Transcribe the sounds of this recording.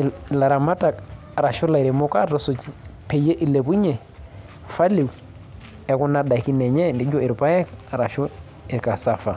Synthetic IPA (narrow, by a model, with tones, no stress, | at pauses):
la˨ɾa˨ma˦ta˨k | a˨ɾa˨ʃʊ˦la˨i˨ɾi˨mʊ˦ka˦ɾɔ˦sʊ˨t͡ʃpe˨je˦ʔi˨le˨pu˦ɲɛ˨ | fa˦li˨w | ɛ˨kʊ˦na˦da˨ki˦nɛ˨ɲɛ˦ndi˦d͡ʒɔ˦ɪ˨ɾpa˦jɛ˦ka˨ɾa˨ʃʊ˦ | ɪ˨ɾka˨sa˦fa˨